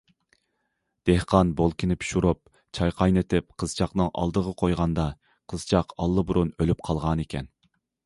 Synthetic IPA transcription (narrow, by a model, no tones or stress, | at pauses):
d̪̥ehqʰɑnbolˠkʲʰinɪpʰi̥ʃuɾup̚ | t͡ʃʰɑjqʰɑjnet̪ʰɪp̚qʰəz̥t͡ʃʰɑqnɨŋʔɑ̰lˠd̪əʁəqʰojʁɑnd̪ɑ | qʰəz̥t͡ʃʰɑqɑlˠːɨbuɾunølyp̚qʰɑlˠʁɑnekʲʰɛn